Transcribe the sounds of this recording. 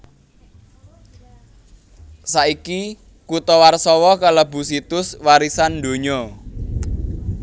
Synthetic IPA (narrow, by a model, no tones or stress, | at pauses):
saʔiki | kut̪ɔwarsɔwɔkalabṳsit̪ʊswaɾisand̪o̤ɲɔ